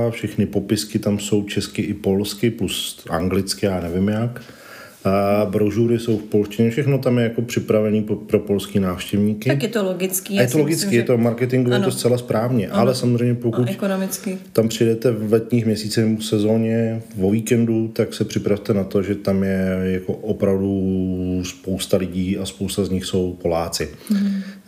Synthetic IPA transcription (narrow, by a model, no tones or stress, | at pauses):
fʃɛxnɪpo̞pɪskɪt̪amso̞wt͡ʃɛskɪʔɪpo̞lskɪplusa̰ŋɡlɪt͡skɪjaːnɛvɪmjak | bɾoʒuːɾɪso̞wfpo̞lscɪɲɛfʃɛxno̞t̪amjɛjako̞pr̝̥ɪpɾavɛniːpɾo̞po̞lskinaːfʃcɛvɲiːkɪɛt̪oloɡɪt͡skiajɛt̪oloɡɪt͡skiːjɛt̪omaɾkɛt̪ɪŋɡovɛt̪ost͡sɛlaspɾʔaːvɲɛʔalɛsamozrɛjmɲɛpokuckonmɪt͡skɪt̪ampr̥ɪjdɛt̪ɛvlɛt̪ɲiːxmɲɛsiːt͡sɛxsɛzo̞ːɲɛvo̞viːkɛndut̪aksɛpr̝̥ɪpɾaft̪ɛnat̪o̞ʒɛt̪amjɛjako̞ʔopɾavdu | spowst̪alɪɟiːaspowst̪azɲɪxso̞wpo̞laːt͡sɪ